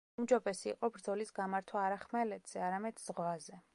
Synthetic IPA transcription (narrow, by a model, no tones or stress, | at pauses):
md͡ʒɔbɛsiːqʼɔbɾd̪zɔlisɡamaɾt̪ʰwaːɾaχmɛlɛd̪z̥ɛaɾamɛd̪̥z̥ʁwazɛ